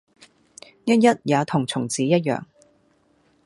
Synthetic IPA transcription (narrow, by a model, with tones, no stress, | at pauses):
jɐ˥t̚jɐ˥t̚jaː˨˧t̪ʰʊ˨˩ŋt͡sʰʊ˨˩ŋt͡siː˨˥jɐ˥t̚jœ̰ː˨˩ŋ